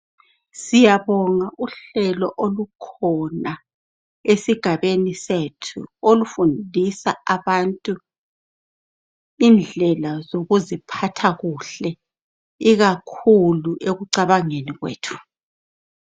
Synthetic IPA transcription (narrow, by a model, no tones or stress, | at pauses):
sijaβɔŋaʔuɬɛlɔʔolukʰɔna | esiɡ̥ʱaβenisetʰṵolufundʱisaaβantʼu | ind͡ɮʱɛlazoɣuzipʰatʰaɣuɬɛ | iɣakʰuluʔeɣuǀaβaŋeniɣwḛːtʰu̥